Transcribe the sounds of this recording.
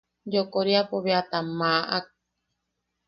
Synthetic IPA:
d͡ʒokoɾiapoβeat̪amaʔak̚

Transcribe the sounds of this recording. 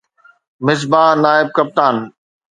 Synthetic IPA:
mɪsbaːɦnaːɪb̚kɐp̚t̪aːn

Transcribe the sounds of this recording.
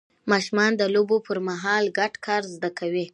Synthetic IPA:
mɑʃumɑnd̪əlobopʰəɾmaɦɑlɡaʈkʰɑɾzd̪akʰawi

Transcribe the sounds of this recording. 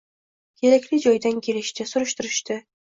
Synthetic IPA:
kʲʰe̞ɾakʲlɪd͡ʒɒjd̪ankʲʰe̞lɪʃt̪ɪsʊɾɪʃt̪ɪɾɪʃt̪ɪ

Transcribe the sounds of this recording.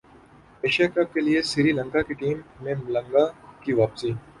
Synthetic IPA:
eːʃjakɐb̚keliesɪɾiːlə̃ŋkakiʈiːmːẽmlɐ̃ŋɡakiʋaːpsiː

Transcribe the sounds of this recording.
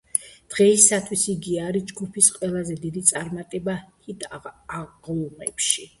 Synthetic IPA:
d̪̥ʁɛisat̪ʰwisiɡiaɾid͡ʒɡupʰisqʼwɛlˠazɛd̪id̪it̪sʼaɾmat̪ʼɛbahit̪ː | ʁlmɛ̰pʃi

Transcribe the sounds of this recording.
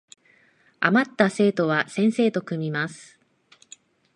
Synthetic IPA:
a̰mat̪ːase̞ːt̪o̞β̞asẽ̞ɰ̃se̞ːt̪o̞kɯ̟mʲimasɨ̥

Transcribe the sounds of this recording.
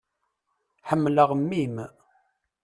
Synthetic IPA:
ħəmːləʁmːim

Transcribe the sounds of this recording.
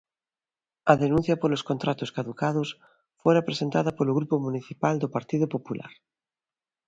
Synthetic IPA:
aðenũnθjapoloskont̪ɾat̪oskaðukað̞os | foɾapɾesent̪aðapoloɣɾupomũniθipald̪opaɾt̪iðopopula̰ɾ

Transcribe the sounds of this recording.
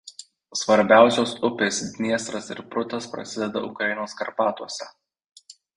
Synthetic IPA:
sʋɐɾʲbʲæˑʊsʲoːsʊpʲeːsd̪ʲnʲiɛst̪ɾɐsɪ̰ɾpɾʊt̪ɐspɾɐ̰sʲɪd̪ʲɛd̪ɐ̰ʊ̰kɾɐɪnoːskɐɾpɑːt̪uɔsʲɛ

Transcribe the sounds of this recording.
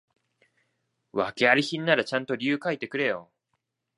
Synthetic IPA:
βake̞aɾʲiçĩnːaɾat͡ɕãnt̪o̞ɾʲiɯ̟ːkait̪e̞kɯ̟ɾe̞jo̞̰

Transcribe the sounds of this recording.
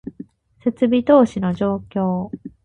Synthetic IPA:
se̞t͡sɨbʲit̪o̞ːɕino̞d͡ʑo̞ːkʲo̞ː

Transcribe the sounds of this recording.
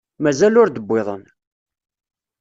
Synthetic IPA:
mæzælʊɾd̪əbʷːeðˤən

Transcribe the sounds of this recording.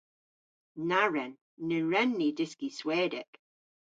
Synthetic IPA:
naɹɛnː | əɹɛnːidɪskiswɛːdɪk

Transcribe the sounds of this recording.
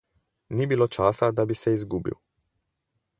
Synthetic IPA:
nibilot͡ʃaːsad̪abisɛizɡubḭw

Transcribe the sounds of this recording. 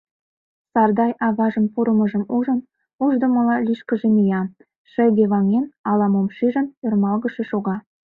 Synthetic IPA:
sɑrd̪ɑjʔɑβɑʒə̆mpuɾə̆mə̆ʒə̆muʒə̆n | uʒd̪ə̆mə̆lɑlʲiʃkə̆ʒenijɑ | ʃə̆ɡʲeβɑŋenɑlɑmomʃiʒə̆nørmɑlˠɣə̆ʃĕʃoɣɑ

